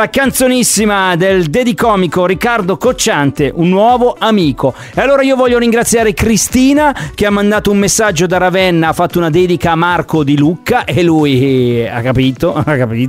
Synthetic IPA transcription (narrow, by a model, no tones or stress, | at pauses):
lakant̪sonisːimad̪eld̪ed̪ikɔːmikoɾikːard̪okot͡ʃːant̪eʔunːwɔːvoamiːko | ealːoːɾaiːovɔʎːoɾiŋɡɾat̪sːjaːɾekɾist̪iːnak̟eamːand̪aːt̪oummesːad͡ʒːod̪aɾavɛnːaafːat̪ːounad̪ɛːd̪ikaːmarkod̪ilukːaʔelːuja̰kːapiːt̪oakːapiːt̪